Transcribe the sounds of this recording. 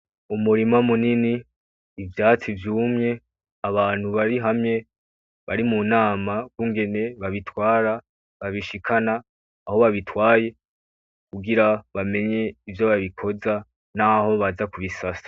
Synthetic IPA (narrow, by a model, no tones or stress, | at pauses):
umuɾimamuniniː | vjaːt͡sivjuːmɲe̞ | aβaːn̥huβaɾiɦamɲe̞ | βaɾimunaːmaɡɡuːŋɡe̞ne̞βaβitwaːɾa | βaβiʃikʰanaː | ho̞βaβitwaːje̞ | kuɡiɾaβame̞ɲe̞ivjo̞βaβikʰo̞za | naho̞βazakuβisasḁ